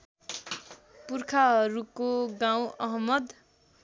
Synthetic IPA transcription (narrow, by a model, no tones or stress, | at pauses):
purkʰaɦʌɾukːoɡãw̃ʌɦʌmʌd̪